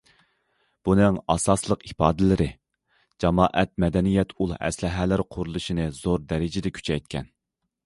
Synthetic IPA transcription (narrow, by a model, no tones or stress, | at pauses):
b̥unɨŋɑsɑslˠəqipɑːd̪ɪlɪɾɪ | d͡ʒɑmɑːʔɛt̪̚mɛd̪ɛnijɛt̪ʰulˠɛ̰slɪɦælɪɾqʰʊɾulˠɨʃinɨz̥oɾd̪ɛɾɪd͡ʒɪd̪ɛkʲʰy̥t͡ʃʰɛjt̪̚kʲʰɛ̰n